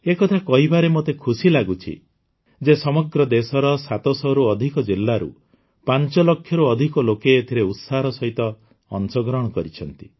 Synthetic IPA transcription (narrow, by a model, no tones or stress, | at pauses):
ekɔt̪ʰakɔɦibaɾemot̪ekʰusilaɡut͡ʃʰḭ | d͡ʒesɔmɔɡɾɔd̪esɔɾɔsat̪ɔsɔɾuɔd̪ʱikɔd͡ʒilːaɾṵ | pant͡ʃɔlɔkʰːjɔɾuɔd̪ʱikɔlokeːt̪ʰiɾeut̪saɾɔsɔɦit̪ɔ̰ː | nsɔɡɾɔɽ̃ɔkɔɾit͡ʃʰɔnt̪i̥